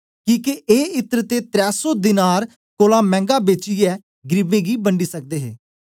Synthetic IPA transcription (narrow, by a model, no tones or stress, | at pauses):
kĩːkeʔeːɪt̪əɾt̪eːt̪ɾɛːsoːd̪ɪnaːɾ | koːlãːmɛ̃ːŋɡaːbeːt͡ʃiːɛː | ɡɾɪbeːɡiːbəɳɖiːsək̚d̪eːɦḛː